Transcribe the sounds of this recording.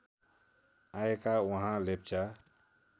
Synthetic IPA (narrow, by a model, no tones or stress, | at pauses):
aekawəɦãlep̚t͡ʃa